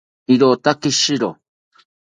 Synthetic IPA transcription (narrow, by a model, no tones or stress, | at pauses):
iɾot̪akiʃiɾo